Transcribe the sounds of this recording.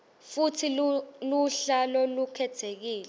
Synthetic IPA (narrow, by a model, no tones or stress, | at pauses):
futʰiluɬalɔlukʰɛtʰek̬iːlɛ